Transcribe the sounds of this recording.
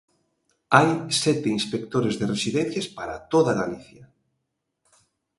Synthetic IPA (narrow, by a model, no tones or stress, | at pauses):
ajsɛt̪einspek̚t̪oɾezðeresiðɛn̟θjaspaɾat̪oðaɣaliθjɐ